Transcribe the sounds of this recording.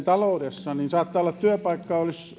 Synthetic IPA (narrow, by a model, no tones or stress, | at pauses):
t̪ɑloˑudesːɑninsɑːt̪ːɑːolːɑt̪t̪yøpɑikːɑolis